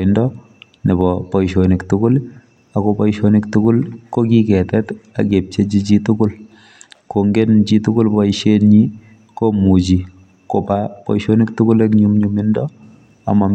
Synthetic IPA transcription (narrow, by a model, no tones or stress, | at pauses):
ndɔ | nibɔpɔiʃoniktʊkʊl | akopɔiʃonɪktukʊlkokikɛtɛta̰kep̚t͡ʃet͡ʃit͡ʃitʊkʊl | koŋɡent͡ʃitukʊlbɔiʃenɲi | komut͡ʃi | kopapɔ̰iʃonɪktukʊlekɲumɲumɪndɔ | a̰mam